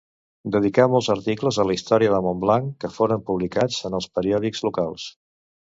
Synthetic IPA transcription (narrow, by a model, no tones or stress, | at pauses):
d̪əð̞ikamɔlˠzəɾt̪ikləzələist̪ɔɾiəðəmomblaŋkːəfoɾəmpuβlikad͡zənəlˠspəɾiɔðikɡzlukalˠs